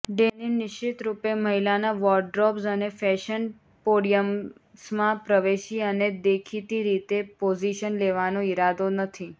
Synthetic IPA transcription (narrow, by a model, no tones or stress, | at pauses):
ɖeninɪʃɪt̪ɾupeməɦilanaʋɔɾɖɾɔpsənefɛʃən | poɽijəm | smãpɾəʋeʃiəned̪ekʰit̪iɾit̪epod͡ʒiʃənleʋanõiɾad̪onət̪ʰi